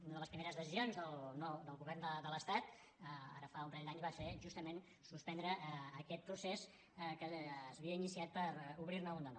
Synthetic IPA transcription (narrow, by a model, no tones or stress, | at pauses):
unəðələspɾimeɾəzðəsizionzðəlˠnod̪əlˠɣuβɛrnd̪əd̪ələst̪at̪ | əa̰ɾəfaũmpɾeʎd̪aɲzβafeʒust̪əmen | suspɛnd̪ɾəːkɛt̪̚pɾuses | kəːzβiəinisiat̪̚pəɾuβɾirnəund̪ənɔ